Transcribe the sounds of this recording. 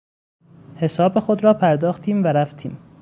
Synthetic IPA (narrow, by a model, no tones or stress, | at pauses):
he̞sɒːbexod̪ɾɒːpʰæɾd̪ɒːxt̪ʰiːmvæɾæft̪ʰḭːm